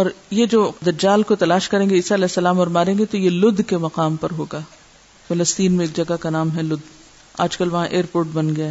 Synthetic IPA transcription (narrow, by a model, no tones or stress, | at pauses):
ɔːɾjed͡ʒoːd̪ɐd͡ʒaːlkot̪ɐlaːʃkɐɾẽːŋɡeɪːsaɐlɛːsːɐlaːmɔːɾmaːɾẽːɡet̪ojelʊd̪ʱkemɐqaːmpɐɾɦoːɡaː | fɐləst̪iːnmẽeːk̚d͡ʒɐɡakanaːmɦɛlʊd̪ | a̰ːd͡ʒkɐlʋɐɦãʔeːəɾpoːɾʈbɐnɡɐjaːɦ